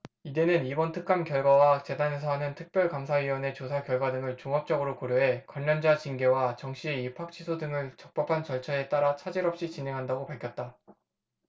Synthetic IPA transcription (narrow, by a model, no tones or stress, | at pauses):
ide̞nɯnibʌntʰɯk̚k͈amkjʌɭɡwawat͡ɕe̞dane̞sʰʌɦanɯntʰɯk̚p͈jʌɭkamsʰaɥiwʌne̞t͡ɕosʰakjʌɭɡwadɯŋɯɭt͡ɕuŋɦʌp̚t͡ɕ͈ʌɡɯɾokoɾjoɦe̞kwaɲːʌnd͡ʑat͡ɕinɡe̞wat͡ɕʌŋɕ͈ʰie̞ipʰak̚t͡ɕʰisʰodɯŋɯɭt͡ɕʌk̚p͈ʌpʰant͡ɕʌɭt͡ɕʰʌe̞t͈aɾat͡ɕʰad͡ʑiɾʌp̚ɕ͈it͡ɕine̞ŋɦandaɡopaɭkʰʌt̚t͈a